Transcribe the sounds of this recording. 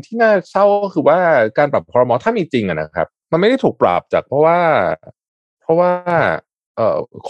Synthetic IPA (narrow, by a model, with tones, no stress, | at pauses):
ŋt̪ʰiː˥˩naː˥˩sʰa˥˩wkɔ˥˩kʰɯː˧waː˥˩kaː˧npa˨˩p̚ʰɔː˧ɾɔ˧mɔː˧t̪ʰaː˥˩miː˧t͡ɕi˧ŋʔa˨˩na̰˦˥kʰa̰˦˥p̚ma˧nma˥˩da˥˩jt̪ʰu˨˩pɾa̰ː˨˩p̚t͡ɕa̰ː˨˩k̚pʰɾɔ˦˥waː˥˩ | pʰɔ˦˥waː˥˩ | ʔɤ̰ː˨˩kʰ